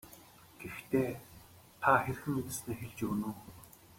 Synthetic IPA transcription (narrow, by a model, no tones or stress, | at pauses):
ɡ̥ext̪ʰeː | t̪ʰaxer̆xɘ̆met̪ɘ̆sneːxeɮt͡ɕuːnuː